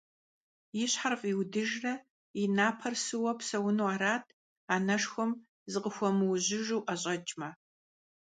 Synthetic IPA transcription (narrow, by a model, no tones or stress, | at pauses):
jɪɕħarfʼiwdɨʒrɐ | ɪnaːpʰɐrsɨwɐpsɐwʊnuwaːɾaːtʰ | aːnɐʂxʷɔm | zɨqəxʷɔmɨwʑɪʒuwʔɐɕʼɐt͡ʃʼmɐ